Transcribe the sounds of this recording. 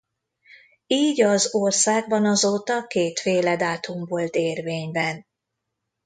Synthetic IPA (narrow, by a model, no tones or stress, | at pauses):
iːɟɒzorsaːɡbɒnɒzoːt̪ɒkeːt̪feːlɛd̪aːt̪umvo̞lt̪eːrveːɲbɛn